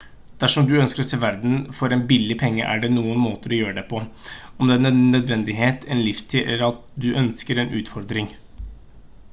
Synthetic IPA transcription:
d̪̥æʂɔmd̪ʉœnskəɾɔseːʋæɾd̪n̩fɔɾɛnbɪlːɪpʰɛŋːə̰ʔæ̰ɖɛnuːənmoːt̪əɾɔjøːɾəɖɛpʰɔɔmd̪ɛɛnəœd̪ʋɛnd̪ɪɦeːt̪ʰɛnlɪft̪ʰɪʔɛ̰lːəɾɑt̪̚d̪ʉʔœnskəɾɛnʔʉːt̪fɔɾd̪ɾɪŋ

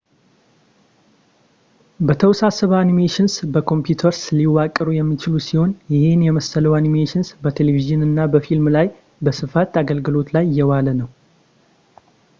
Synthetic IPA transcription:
bət̪ʰəwsasəβəanimeʃɪnsbəkʰo̞mpjut̪ʰəɾsɨliwːakʼːəɾujɛmːit͡ʃɪlusiho̞njɪhenjɛməsələwanimeʃɪnsbət̪ʰe̞leviʒɨnɨnːabəfilmlaj | bəsɨfat̪aɡəlɡɨlo̞t̪lajːɛwalənəw

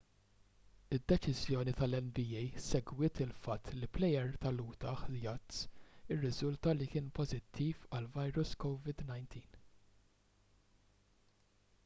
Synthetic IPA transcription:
ɪd̪ːɛt͡ʃɪzjɔːnit̪ɐlɛnbiːɛjsɛɡwɪːt̪ɪlfɐt̪ʰːliplɛjɛɾt̪ɐluːt̪ɐħjɐt̪sɪrːɪzʊlt̪ɐlikɪːnpɔzɪt̪ʰːiːfɐlvɐjɾʊskɔwvɪd̪nɐjnt̪ʰiːn

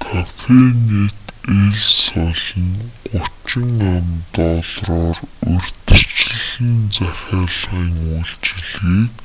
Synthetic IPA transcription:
kʰafenet̪eɮsɔɮɞ̆ŋɢʊt͡ɕɪ̆ŋamt̪ɔːɮrɔːrɵr̥ʲt̪ɵ̆t͡ɕ̆ɮɘ̆nt͡sæxʲaːɮʁiːŋujɬt͡ɕ̆ɮiːk

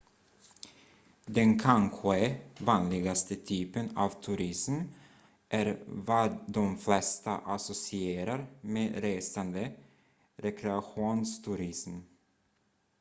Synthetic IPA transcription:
d̪ɛnkʰanɧɛvɑːnlɪɡast̪ət̪ʰyːpənaːvt̪ʰʉɾɪsm | ʔæɾvad̪ɔmflɛst̪aʔasɔsɪeːɾaɾmeːɾeːsand̪ə | ɾɛkʰɾɛaɧuːnst̪ʰʉɾɪsm

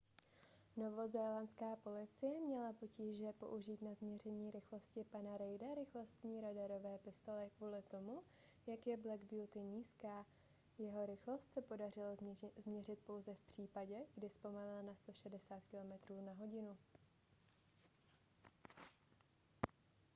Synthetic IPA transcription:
no̞vo̞zɛːlanskaːpo̞lɪt͡sɪjɛmɲɛlapo̞ciːʒɛpo̞̰ʔuʒiːt̪nazmɲɛr̝ɛɲiːɾɪxlo̞scɪpanaɾɛjdaɾɪxlo̞st̪ɲiːɾadaɾo̞vɛːpɪst̪o̞lɛkvuːlɪt̪o̞mu | jakjɛblɛɡbjut̪ɪɲiːskaː | jɛɦo̞ɾɪxlo̞st̪sɛpo̞darɪlazmɲɛrɪt̪̚po̞wzɛfpr̝̥iːpaɟɛɡ̥dɪspo̞malɪlanast̪oʃɛdɛsaːt̪kɪlo̞mɛt̪ɾuːnaɦo̞ɟɪnu

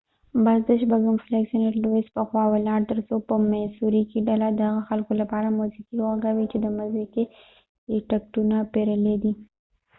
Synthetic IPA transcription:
bazd̪əʃbaɡamfleksineʈloɪspəxwɑwelɑɾt̪əɾsopəmasuɾikiɖalad̪əhaɣaxalkolapɑɾamuzikiɣaɡawit͡ʃed̪əmazike | ʈak̚ʈunapeɾəled̪i

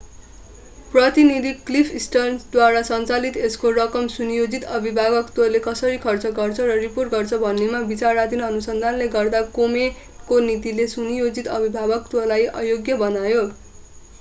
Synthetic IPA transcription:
prʌt̪inid̪ʱiklipʰisʈʌnsd̪waɾasʌnt͡salit̪eskorʌkʌmsunjod͡zit̪ʌbʱibʱaɡʌkt̪wʌlekʌsʌɾikʰʌrt͡sʌɡʌrt͡sʰʌɾʌriporʈɡʌrt͡sʰʌbʱʌnːemabit͡sarad̪inʌnusʌnd̪ʱanleɡʌrd̪akome | konit̪ilesunjod͡zit̪ʌbʱibʱabʌkt̪wʌlajʔʌ̰joɡjʌbʌnajo

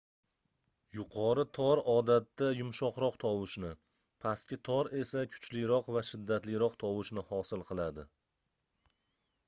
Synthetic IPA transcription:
jʊqʰɒɾɪt̪ʰɒɾɒd̪at̪ːajʊmʃɒqɾɒqt̪ʰɒwɪʃnɪ | pʰaskʲɪt̪ʰɒɾe̞sakʲʰʊ̥t͡ʃlɪjɾɒqvaʃɪd̪ːat̪lɪjɾɒqt̪ʰɒwɪʃnɪhɒsɪlˠqʰɨlˠad̪ɪ

